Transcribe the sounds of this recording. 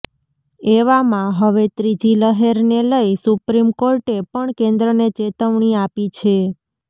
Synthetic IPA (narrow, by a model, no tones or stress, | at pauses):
eʋamãɦəʋet̪ɾid͡ʒiləɦeɾneləisupɾimkoɾʈepəɳkẽnd̪ɾənet͡ʃet̪əʋɳiapit͡ʃʰe